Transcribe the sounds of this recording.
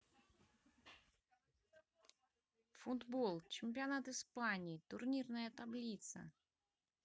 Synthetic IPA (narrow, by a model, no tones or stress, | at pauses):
fʊd̪bolˠt͡ɕɪmʲp̬ʲɪanat̪ɨspanʲɪːt̪ʊrnʲirnəjət̪ablʲit̪sə̰